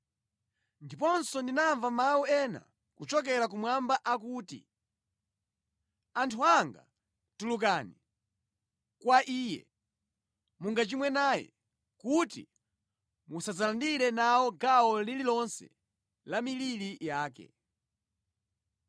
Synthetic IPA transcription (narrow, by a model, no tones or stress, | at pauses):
ndipɔnsɔndinaɱvamawuɛna̰ | kut͡ʃɔk̬ɛɾak̬umwambaʔakuːtḭ | antʰuaŋɡa̰ | tulukani | kwaʔiːjɛ̰ | muŋɡat͡ʃimwɛnajɛ̰ | kutḭ | musazalandiɾɛnawɔɡawɔlililɔnsɛ̰ | lamililijaːkɛ̰